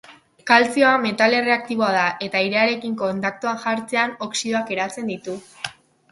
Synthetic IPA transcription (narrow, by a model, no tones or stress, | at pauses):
kalt͡sio̞ame̞t̪ale̞re̞ak̚t̪iβo̞að̞aʔe̞t̪aiɾeaɾe̞kiŋko̞nt̪ak̚t̪uaŋʝaɾt͡se̞ano̞ksiðo̞ake̞ɾat͡se̞nd̪it̪u